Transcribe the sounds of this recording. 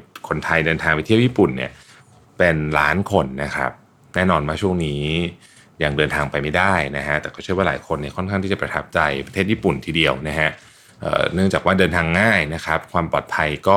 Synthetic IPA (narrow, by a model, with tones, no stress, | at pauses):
kʰo˧nt̪ʰa˧jdɤː˧nt̪ʰaː˧ŋpa˧jt̪ʰi˥˩əwjiː˥˩pu˨˩nːḭ˥˩ɐ | pe˧nlaː˦˥nkʰo˧nːa˦˥kʰa̰˦˥p̚ | nɛː˥˩nɔː˧nwaː˥˩t͡ɕʰu˥˩ə˩ŋniː˦˥ | jaː˨˩ŋdɤː˧nt̪ʰaː˧ŋpa˧jma˥˩jdaː˥˩jna˦˥kʰa˦˥ʔt̪ɛː˨˩kɔː˥˩ɯ˥˩əwa˥˩laː˩˦jkʰo˧nːi˥˩kʰɔ˥˩nʰkʰa˥˩ŋt̪i˥˩t͡ɕa˨˩pɾa˧t̪ʰp̚t͡ɕa˧jpɾa˧t̪ʰe˥˩jiː˥˩pu˨˩nt̪ʰiː˧di˧əwna˦˥kʰa˦˥ʔ | ʔə̰ː˨˩nɯ˥˩əŋt͡ɕaː˨˩kwaː˥˩dɤː˧nt̪ʰaː˧ŋːaː˥˩jna˦˥kʰɾa˦˥p̚kʰwaː˧mpɔː˨˩t̪̚pʰa˧jkɔː˥˩